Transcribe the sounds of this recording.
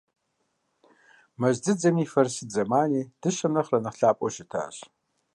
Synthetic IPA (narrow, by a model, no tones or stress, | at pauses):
mɐʑd͡zɨd͡zɐmiːfɐrsɨd͡zɐmaːniːd̥ɨʃɐmnɐχrɐnɨχɬaːpʼɔʃɪtʰa̰ːɕ